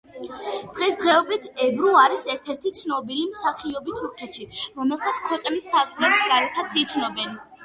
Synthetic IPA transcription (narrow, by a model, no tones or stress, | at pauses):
d̪̥ʁɛsd̪ʁɛɔbit̪ʰɛbɾuaɾisɛɾt̪ʰɛɾt̪ʰit̪sʰnɔbilimsaχiɔbit̪ʰuɾkʰɛt̪ʃiɾɔmɛlˠsat̪sʰkʰwɛqʼnisːazvlɛpsɡaɾɛt̪ʰat̪sʰit̪sʰnɔbɛn